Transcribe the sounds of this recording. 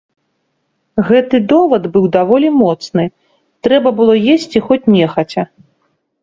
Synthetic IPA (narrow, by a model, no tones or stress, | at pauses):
ɣɛt̪ɨd̪ɔvɐd̪bɨwd̪avɔlʲimɔt̪snɨ | t̪ɾɛbɐbɨlˠɔjesʲt͡sʲixɔt͡sʲnʲɛxɐt͡sʲɐ